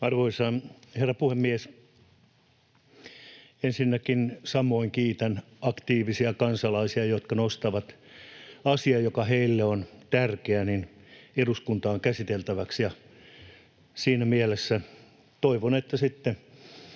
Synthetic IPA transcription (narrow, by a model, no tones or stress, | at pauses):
ɑrʋoisɑnherːɑpuhemːies | ensinːækinsɑmoiŋkiːt̪ænɑkt̪iːʋisiɑkɑnsɑlɑisiɑjot̪kɑnost̪ɑʋɑt̪ | ɑsiɑjokɑheilːeont̪ærkeænineruskunt̪ɑːŋkæsit̪elt̪æʋæksjɑ | siːnæmielesːæ | t̪oiʋonet̪ːæsit̪ːe